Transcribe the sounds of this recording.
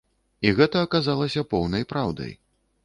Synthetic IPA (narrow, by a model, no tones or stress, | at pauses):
iɣɛt̪ɐːkazalˠɐsʲɐpɔwnɐjpɾawd̪ɐ̰j